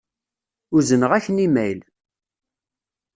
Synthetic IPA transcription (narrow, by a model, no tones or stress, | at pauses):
ʊzənəʁæçənimæjl